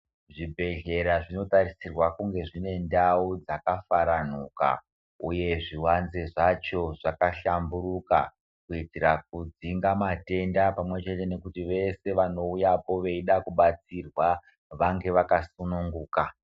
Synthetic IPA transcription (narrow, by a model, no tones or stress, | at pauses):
ʐibʱe̞ɮe̞ɾaʐino̞tarisirwakuŋɡe̞ʐine̞ndaud͡zakafaɾan̤uka̰ | uje̞ʐiwanzeʐat͡ʃo̞ʐakaɬambuɾuka | kuitiɾak̚ud͡ziŋɡamate̞ndapamwe̞t͡ʃe̞te̞ne̞kutiʋe̞se̞ʋano̞ujapo̞ʋe̞iɗakuɓat͡sirwa | ʋaŋɡe̞ʋakasunuŋɡuːka